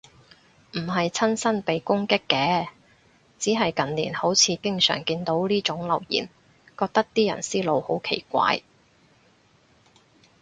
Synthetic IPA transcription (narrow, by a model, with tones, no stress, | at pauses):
m̩˨˩ɦɐ˨jt͡sʰɐ˥nsɐ˥npe˨jkʊ˥ŋkɪ˥kːɛː˨˥ | t͡siː˨˥ɦɐ˨jkɐ˨˩nlḭː˨˩nho˨˥wt͡sʰiː˨˧kɪ˥ŋsœ̰ː˨˩ŋkiː˧nt̪o˨˥wliː˥t͡sʊ˨˥ŋlɐ̰˨˩wjḭː˨˩n | kɔː˧k̚t̪ɐ˥k̚t̪iː˥jɐ̰˨˩nsiː˥lo˨˧who˨˥wkʰḛ˨˩jkʷa̰ː˧j